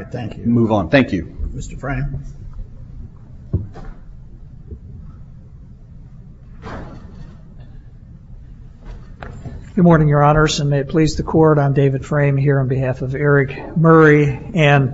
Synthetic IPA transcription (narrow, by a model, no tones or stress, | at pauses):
t̪̚θæ̃ŋkjmuvn̩θæ̃ŋkʰjʉmɪstə˞fɹẽɪ̃m | ɡ̥ɨd̚mɔɹnɪ̃ŋjə˞ɑnə˞sɨ̃nmeɪɨt̚pʰl̥izðɨkʰɔɹɾn̩deɪvɨd̥fɹẽɪ̃mɦiɹɨ̃nbɨɦæfʌvɛɹɪkmɜ˞iɨ̃n